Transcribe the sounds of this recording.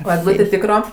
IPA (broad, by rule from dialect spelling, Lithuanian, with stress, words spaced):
oː ɛɡˈlˠuːtʲeː ˈtʲiːkroː